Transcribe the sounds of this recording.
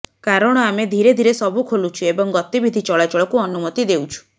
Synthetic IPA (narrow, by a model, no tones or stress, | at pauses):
kaɾɔɽ̃ɔamed̪ʱiɾed̪ʱiɾesɔbʱukʰolut͡ʃʰuebɔŋɡɔt̪ibid̪ʱit͡ʃɔɭat͡ʃɔɭɔkuɔnumɔt̪id̪ewt͡ʃʰu̥